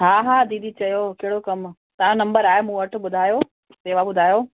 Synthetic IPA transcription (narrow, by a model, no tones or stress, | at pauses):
ɦaːɦaːd̪iːd̪ʱit͡ɕɐjoːkeɦɪɽokɐm | t̪ɐɦãnɐ̃mbəɾaːemũːɐʈʰʊ̆ɓʊd̪ʱaːjoː | seːʋaɓʊd̪ʱaːjo